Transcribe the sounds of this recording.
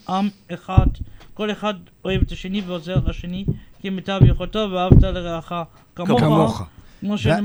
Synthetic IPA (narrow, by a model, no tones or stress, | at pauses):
ʔameχadko̞leχad | o̞e̞vethaʃeniveozeʁtaʃenikimetabjeχolt̪oveaavt̪aleʁeaχa | kamookmoʃene